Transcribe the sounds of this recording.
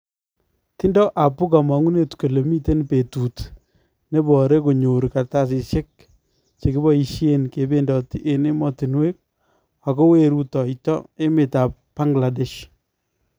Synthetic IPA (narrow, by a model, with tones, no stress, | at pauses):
ti˦ndɔ˦ʔa˨pʊ˦ka˨ma˨ŋu˦ne˦tko˨le˨mi˦te˦npe˨tu˨t | ne˦bɔ˨ɾe˦ko˨ɲo˨ɾka˨ɾta˦s̬ɪ˨ʃe˦k̚ | t͡ʃe˨kɪ˦bɔ˦i˨ʃje˦nke˨be˦ndɔ˨ti˦ʔe˨ne˦mɔ˦ti˨nwe˦k̚ | a˨ko˦we˦ɾu˦tɔ˨i˨tɔ̰˦e˦mɪ˨ta˨ppːa˦ŋɡla˨de˨ʃ